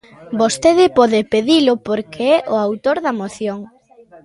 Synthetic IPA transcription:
bost̪eðɪpɔðɪpeðilʊpoɾkʰeɛʔʊawt̪oɾðɐmoθjoŋ

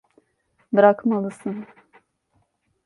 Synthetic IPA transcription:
bɨɾakmalˠɯsɨn

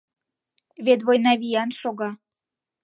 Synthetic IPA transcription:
βet̪̬βojnɑβijænʃoɣɑ

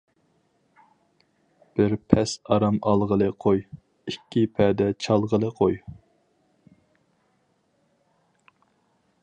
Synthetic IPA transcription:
b̥ɪɾpʰɛsɑɾɑmɑlˠʁəlˠɨqʰoj | ikʲʰːipʰɛd̪ɛt͡ʃʰɑlˠʁəlˠəqʰoj

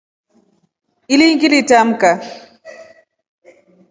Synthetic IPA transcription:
iliŋɡilitam̩ka

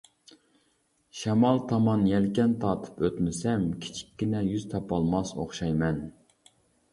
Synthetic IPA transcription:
ʃɛmɑlˠt̪ʰɑmɑnjɛlkʲɛnt̪ʰɑːt̪ʰɨ̥pøt̪mɪsɛmkʲʰi̥t͡ʃʰi̥kʲːinɛjyz̥t̪ʰɑpɑlˠmɑso̰χʃɑjmɛn

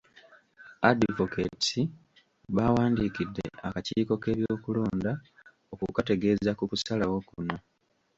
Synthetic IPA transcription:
adivoketi | βawaːndiːkidːe̞̰akaciːko̞ke̞ːβjo̞ːkuloːnda | okukate̞ɡe̞ːzakukusalawo̞kuna

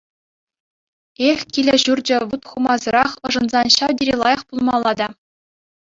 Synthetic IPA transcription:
eχʲkʲilʲɘ̆ʑurd͡ʑɘ̆ʋut̪χumɑzɤ̆ɾɑχɤ̆ʐɤ̆nzɑnɕɑwdʲiɾʲilˠɑjɤ̆χpulˠmɑlˠːɑd̪ɑ

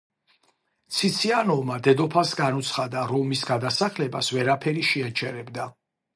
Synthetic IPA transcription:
t̪sʰit̪sʰianɔvmad̪ɛd̪ɔpʰasɡanut̪sʰχad̪aɾɔmisɡad̪asaχlɛbasvɛɾapʰɛɾiʃiat͡ʃʰɛɾɛbd̪a

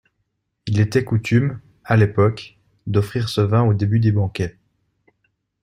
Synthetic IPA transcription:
ilet̪ɛkut̪ym | alepɔk | d̪ɔfχiʁsəvɛ̃od̪ebyd̪ebɑ̃kʲɛ

